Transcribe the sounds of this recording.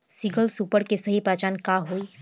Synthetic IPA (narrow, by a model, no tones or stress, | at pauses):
siɡəlsuːpəɽkesɐɦipaːt͡ʃaːnkaɦoːi